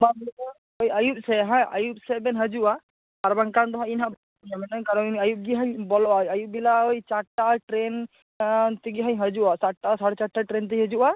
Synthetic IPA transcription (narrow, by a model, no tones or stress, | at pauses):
babia | ɔjajup̚sɛɦãa̰jup̚sɛbɛnɦəd͡ʒuʔa | aɾbaŋkand̪ɔɦãinɦabɔ | ɲamɛnaŋkaɾɔajup̚ɡiɦəɲbɔlɔʔajajup̚bilaɔjt͡ʃaʈːaʈɾɛn | t̪ɛɡiɦəɲɦəd͡ʒuʔat͡ʃaʈʈːasaɽt͡ʃaʈːaʈɾɛnt̪̬ɛjɦəd͡ʒuʔa